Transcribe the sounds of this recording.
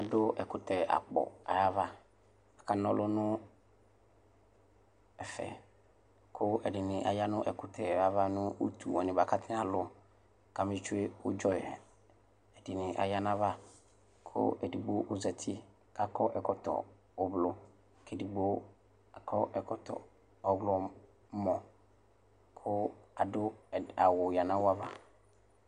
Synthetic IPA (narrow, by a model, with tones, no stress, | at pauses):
a˨dʊ˦ʔɛ˨kʊ˨tɛ˨a̰˨k͡pɔ̰˨a̰˨ja˦va˦ | a˨ka˨nɔ̃˦lʊ˦nʊ̃˦ | ɛ˨fɛ̰˨ | kʰʊ˦ɛ˨dɪ˨nɪ̃˨ʔa̰˨ja˦nʊ̃˦ʔɛ˨kʊ˨tʰɛ˨a˦va˦nʊ̃˦ṵ˦tʰṵ˨wɔ˨nɪ̃˨ba˨ka˦tʰɪ̃˦a˨lʊ˦ | ka˨mɪ̃˦t͡ʃʊ˦e˦wʊ̰˦d͡ʒɔ˦˨ɛ˨ | ɛ˨dɪ˨nɪ̃˨ʔa̰˨ja˦nã˦va˦ | kʰʊ̰˦ɛ˨di˨ɡ͡bo˦ʔʊ˨zɛ˨tʰɪ˦ | ka˨kʰɔ˦ʔɛ˨kɔ˨tʰɔ̰˨ | ɔ˨blʊ˦ | kʰɛ˨di˨ɡ͡bo˦ | a˨kʰɔ˦ʔɛ˨kʰɔ˨tʰɔ̰˨ | ɔ˨ɡlɔ˦ | mɔ̃˨ | kʰʊ˦a˨dʊ˦˨a˨wʊ˨ja˨nã˦wa˦va̰˦